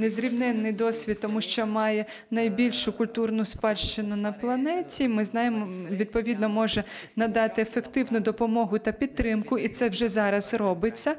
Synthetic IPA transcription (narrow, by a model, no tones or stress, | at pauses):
nezɾʲibnɛnːɪjd̪ɔsʲʋʲit̪̚t̪ːɔmuʃt͡ʃɔmɑjɛ | nɐjbʲilʲʃʊkʊlʲt̪urnʊspɑʃt͡ʃɪnʊnɐplˠɐnɛtʲimɪznɑjemɔʋʲid̪̚pɔʋʲid̪nɔmɔʒɛ | nɐd̪ɑt̪ɪefekt̪ɪwnʊd̪ɔpɔmɔɦʊt̪ɐpʲit̪̚t̪ːɾɪmkʊit̪sɛwʒɛzɑɾɐzɾɔbɪt͡sʲːɐ